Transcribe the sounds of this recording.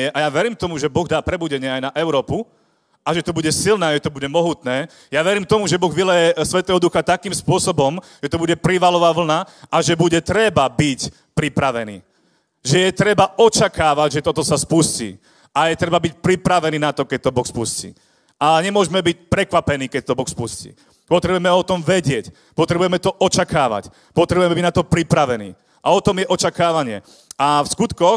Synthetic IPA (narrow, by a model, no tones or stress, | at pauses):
ɛʔajaʋɛɾiːmt̪ɔmuʒɛbɔɣd̪aːpɾɛbuɟɛɲɪɛajnaʔɛʊɾɔːpu | ʔaʒɛt̪ɔbuɟɛsilnɛːʒɛt̪ɔbuɟɛmɔɦut̪nɛː | jaʋɛɾiːmt̪ɔmuʒɛbɔɣʋilɛjɛsʋɛt̪ɛːɦɔd̪uxat̪akiːmspʊɔsɔbɔm | ʒ̥ɛt̪ɔbuɟɛpɾiʋalɔʋaːʋl̩naʔaʒɛbuɟɛt̪ɾɛbabic | pɾipɾaʋɛnḭː | ʒɛjɛt̪ɾɛbaɔt͡ʃakaːʋaɟʒɛt̪ɔt̪ɔsaspuscḭː | ajɛt̪ɾɛbabic̚pɾipɾaʋɛniːnat̪ɔkɛc̚t̪ɔbɔxspuscḭː | ʔaɲɛmʊɔʒɛmɛbic̚pɾɛkʋapɛniːkɛc̚t̪ɔbɔxspuscḭː | pɔt̪ɾɛbujɛmɛɔt̪ɔmʋɛɟɪɛc | pɔt̪ɾɛbujɛmɛt̪ɔʔɔt͡ʃakaːʋa̰c | pɔt̪ɾɛbujɛmɛbiɟnat̪ɔpɾipɾaʋɛnḭː | ʔaɔt̪ɔmjɛʔɔt͡ʃakaːʋaɲɪɛ̰ | afskut̪kɔx